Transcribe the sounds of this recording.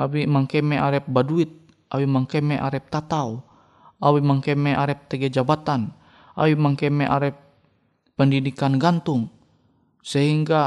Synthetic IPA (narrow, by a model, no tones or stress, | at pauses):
awimaŋkɛmɛʔaɾɛp̚baduit̪̚ | ʔawimaŋkɛmɛʔaɾɛp̚t̪at̪au | awimaŋkɛmɛʔaɾɛp̚t̪ɛɡɛd͡ʒabat̪an | a̰wimaŋkɛmɛʔaɾɛp̚ː | ɛndidikanɡant̪uŋ | sɛɦiŋɡa